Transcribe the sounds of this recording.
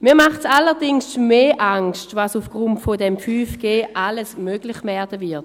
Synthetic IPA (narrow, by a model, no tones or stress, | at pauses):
miːɐmaχtsalːədɪŋsmeːʔaŋstvasufɡ̥ʁuntfodɛmfyːfɡ̥eːʔaləsmøɡlɪχvɛɐdəvɪɐt